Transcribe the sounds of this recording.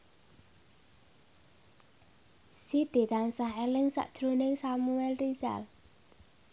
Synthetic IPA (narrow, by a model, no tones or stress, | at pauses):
sid̪̥e̤t̪aŋsaɦelɪŋsa̰ʔd̥ʒ̥ɾonɪŋsamuɛlriza̰l